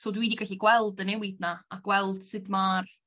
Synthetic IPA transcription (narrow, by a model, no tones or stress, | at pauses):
soːdwiːdiɡaɬiɡwɛlˠdənɛwɪdnaaɡwɛlˠd̥sɨdmaːr